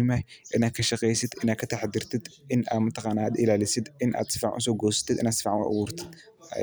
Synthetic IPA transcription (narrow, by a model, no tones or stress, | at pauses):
majʔɨnakʰɐʃɐxʼejsɨt̪ɨnakʰɐt̪ʰaħd̪ɨɾt̪ʰɨt̪ɨna̰mɨt̪ʰːɐxanad̪ilalɨsɨd̪ɨnʔa̰d̪sɨ̥faʕṵsoɡosɨ̥t̪ʰɨt̪ɨnasɨ̥faʕ̰ʔwʊɾt̪ʰɨ̥̰